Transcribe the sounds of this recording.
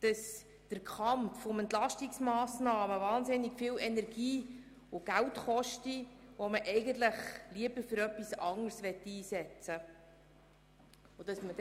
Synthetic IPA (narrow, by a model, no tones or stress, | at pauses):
d̥əs | d̥əɾkʰχɑmfɔmɛnt̪lɑʃtiksmɑːsnɑːməʋɑːnzɪniɡ̥fiːwɛnɛɾɡ̥iː | ʊɡ̥æwtχɔʃtiʋɔməʔɛɪɡənt̪ləχliəbəɾfɵɾœpːisɑŋəɾsʋɛtːiːsɛt͡sə | ʊd̥ɑsməd